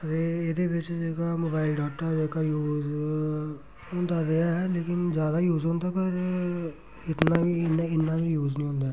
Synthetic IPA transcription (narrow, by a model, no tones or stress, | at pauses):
əɾeed̪eʋɪt͡ʃd͡ʒeːkaːmoːbaːɪlɖaːkʈəɾd͡ʒekaːjuːz | ɦʊnd̪aːɾeaɛleːkɪnd͡ʒjaːd̪aːjuːzɦʊ̃ːnd̪aːpəɾ | ɪt̪naːʋiɪnaɪnːaːʋijuːznĩːɦʊ̃nd̪aː